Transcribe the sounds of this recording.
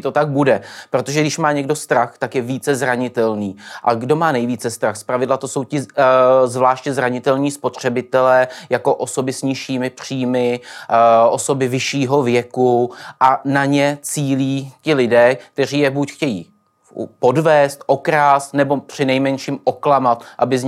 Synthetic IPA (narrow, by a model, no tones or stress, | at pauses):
t̪ot̪aɡ̚budɛpɾot̪oʒɛɡdɪʃmaːɲɛɡdo̞st̪ɾaxt̪akjɛviːt͡sɛzɾaɲɪt̪ɛlniːʔa̰ɡdo̞maːnɛjviːt͡sɛst̪ɾaxspɾavɪdlat̪oso̞wcɪzvlaːʃcɛzɾaɲɪt̪ɛlɲiːspo̞t̪r̝̥ɛbɪt̪ɛlɛːjako̞ʔo̞so̞bɪsɲɪʃiːmɪpr̝̥iːmɪ | ʔo̞so̞bɪvɪʃiːɦo̞vjɛkuʔanaɲɛt͡siːliːcɪlɪdɛːkk̚t̪ɛr̝iːjɛbucxcɛjḭː | po̞dvɛːst̪ʔo̞kɾaːst̪nɛbo̞pr̝̥ɪnɛjmɛnʃiːmʔo̞klamat̪ʔabɪzɲ